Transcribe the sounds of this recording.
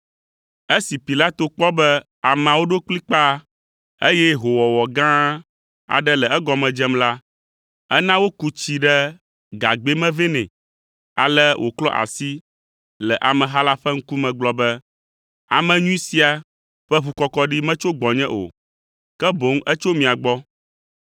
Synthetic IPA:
e˦si˨pi˨la˦t̪o˨k͡pɔ˦bɛ˦ | a˨m̃˨a˨wo˦ɖo˦k͡pli˦k͡pa˦ | e˦jɛ˦ɦo˨wɔ˨wɔ˨ɡã˦ | a̰˨ɖɛ˦lɛ˨ɛ˦ɡɔ˨mɛ̃˨d͡ʒɛ˦mla˦ | ɛ˦nã˦wo˦ku˦t͡ɕi˨ɖɛ˦ | ɡa˨ɡ͡be˦mɛ̃˦ve˦nɛ̰̃˨ | a̰˨lɛ˦wʔo˨klɔ˦ʔa̰˨si˦ | lɛ˨ʔa˨mɛ̃˨ɦa˦la˦ɸɛ˦ŋ̩˦ku˦mɛ̃˨ɡ͡blɔ˨bɛ˦ | a̰˨mɛ̃˨ɲũ˦i˦si˦a˨ | ɸɛ˦βu˨kɔ˨kɔ˨˦ɖi˦mɛ̃˦t͡ʃo˦ɡ͡bɔ˨ɲɛ̃˦ʔo̰˨ | kɛ˦bo˨˦ŋɛ˦t͡ʃo˦mĩ˨a˨ɡ͡bɔ˦

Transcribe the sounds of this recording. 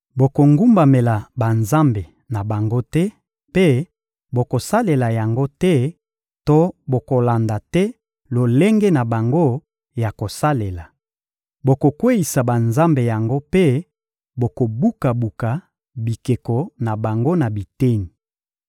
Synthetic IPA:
bo˨ko˨ŋɡu˦mba˨me˨la˨ba˨nza˦mbe˨ | na˨ba˨ŋɡo˦tɛ˦ | pe˦ | bo˨ko˨sa˦le˨la˨ja˨ŋɡo˦tɛ˦ | to˦bo˨ko˨la˨nda˨tɛ˦ | lo˨le˦ŋɡɛ˦na˨ba˨ŋɡo˦ | ja˨ko˨sa˦le˨la˨ | bo˨ko˨kwe˦ji˨sa˨ba˨nza˦mbe˨ja˨ŋɡo˦pe˦ | bo˨ko˨bu˦ka˨bu˨ka˨ | bi˨ke˨kɔ˨na˨ba˨ŋɡo˦na˨bi˨te˦ni˨

